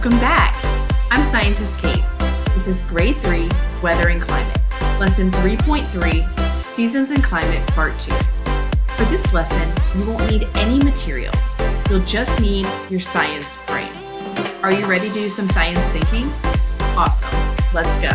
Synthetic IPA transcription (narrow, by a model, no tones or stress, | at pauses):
kʌ̃mbækãɪ̃msaɪɨ̃ntʰɨfkʰeɪt̚ðɪsɨzɡɹeɪt̪̚θɹiwɛðə˞ɨ̃nkʰl̥ã̰ɪ̃mɨ̰t̚lɛsɨ̃nθɹipʰɔ̃ɪ̃nθɹisizɨ̃nzɨ̃nkʰl̥ãɪ̃mɨt̚pʰɑɹtʰʉ̰ | fə˞ðɪslɛsɨ̃nwidõʊ̃nːniɾɛnimɨtʰɪɹḭl̩ˠz̥wilˠd͡ʒʌstnidjə˞saɪɨ̃nsfɹḛ̃ɪ̃n | ə˞jɨɹɛɾiɾɨsʌ̃msaɪɨ̃nsθɪ̃ŋkɪ̃ŋɔsə̰̃mlətsɡ̥oʊ